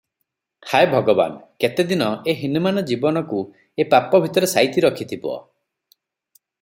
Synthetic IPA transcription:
haebʱɔɡɔba̰nket̪ed̪inɔeɦinumanɔd͡ʒibɔnɔku | epapɔbʱit̪ɔɾesajt̪iɾɔkʰit̪ʰibɔ̰

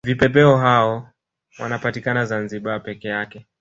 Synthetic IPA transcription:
vipɛpɛɔɦaɔ | wanapatikanazanziɓapɛkɛjakɛ

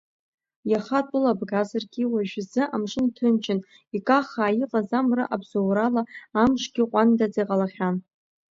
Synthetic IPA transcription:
jaχatʼʊlabɡazarɡʲiwaʒᶣzɨʔamʂʷɨntʰɨnt͡ʃʰʼɪn | ikʼaχaːjiqʼazamrɨ̰ʔabz̥owralaːmʂʷʼɡʲɪqʷʼandad͡zijqʼalaχʲan

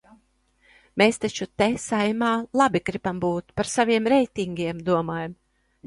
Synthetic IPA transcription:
meːst̪at͡ʃut̪esajmaːlˠabiɡɾibambuːt̪paɾsavʲiɛmɾɛjt̪ʲiŋɡʲiɛmd̪uɔmaːjam

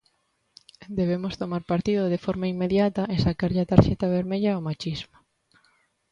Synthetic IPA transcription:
d̪eβ̞emost̪omaɾpaɾt̪iðʊðefɔɾmaimːeðjat̪ɐʔesakaɾʎat̪aɾʃɛt̪aβ̞eɾmeʎaomat͡ʃizmo

